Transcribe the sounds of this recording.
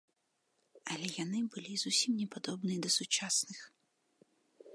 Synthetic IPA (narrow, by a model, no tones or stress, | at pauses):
ɐlʲɛjanɨbɨlʲizusʲimnʲɛpad̪ɔbnɨjɛd̪ɐsut͡ʂasnɨx